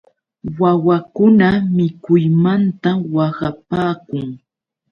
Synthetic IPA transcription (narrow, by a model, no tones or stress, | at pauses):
wawakʊnamɪkʊjmant̪awaɢapaːkʊŋ